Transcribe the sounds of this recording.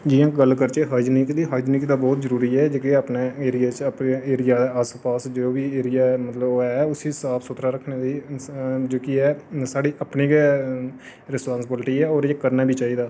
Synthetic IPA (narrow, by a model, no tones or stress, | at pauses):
d͡ʒɪjãːɡəlkəɾt͡ʃeːɦaːd͡ʒniːk̪d̪iːɦaːd͡ʒniːk̪d̪aːbɔːt̪zəɾuːɾiːɛːd͡ʒoːkeəpneːeːɾɪjaːt͡ʃəpneeːɾɪjaːd̪aːəspaːsd͡ʒooːbiːeːɾɪjaːmət̪ləbɛːʊsiːsaːpʰsʊt̪ʰɾaːɾəkʰneːd̪iːd͡ʒoːkɪɛːsaːɽiːʔəpniːɡɛː | ɾɪspãːnsɪbɪlʈiːɛːoːɾeːkəɾnaːbiːt͡ʃaːiːd̪aː